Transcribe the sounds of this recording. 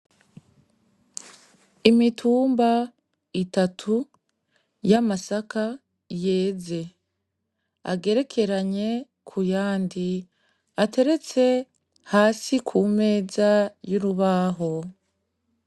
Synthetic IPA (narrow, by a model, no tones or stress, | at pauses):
imitʰuːmba | itatʰu | jamasaka | je̞ːze̞ | a̰ɡe̞ɾe̞kʰe̞ɾaɲe̞ | kʰujaːndi | atʰe̞ɾe̞t͡se̞ | haːsikʰume̞ːzajuɾuβaːɦo̞